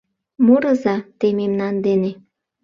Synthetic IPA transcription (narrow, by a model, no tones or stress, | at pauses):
muɾɤzɑt̪ememnɑnd̪ene